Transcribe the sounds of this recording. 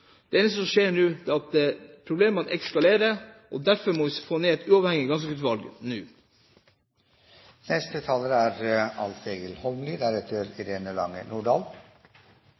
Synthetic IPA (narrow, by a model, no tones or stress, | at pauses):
d̪̥ɛeːnst̪əsɔmʃeːɾɳʉːd̪ɛːɑt̪̚d̪pʰɾʊbleːmɑnʔɛ̰kskɑleːɾəʔɔd̪æɾfɔɾmɔʋɪfoːneːɛt̪ʉːɑːʋhɛŋɪɡɑnskəɡʉt̪ʋɑlɡnʉː | nɛst̪ət̪ʰɑːləɾəæɾɑ̰lt̪eːɡəlhɔmlɪd̪æɾɛt̪ʰəɾɪɾeːnəlɑ̰ŋːə̰nuːɖɑːl